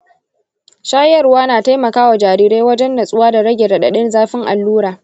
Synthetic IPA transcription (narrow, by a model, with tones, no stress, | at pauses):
ʃaː˦jɐ˨rwaː˦naː˨ta˦jmɐ˨kaː˦wa˨d͡ʒaː˨ɾiː˦ɾeː˦wɐ˦d͡ʒɛ˦ndɐ˨sʼʊ˦waː˦da˨ɽɐ˦ɡʲeː˨dɐ˨ɗɐ˨ɗɪ˦nzaː˦ɸɪ˦ŋʔa̰˨lːuː˦ɾaː˨